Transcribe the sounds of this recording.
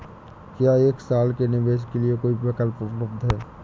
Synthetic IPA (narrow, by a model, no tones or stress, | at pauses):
kjaːeːksaːlkenɪʋeːʃ̬keliekoːipɾɐkəlppɾəbd̪ɦɛː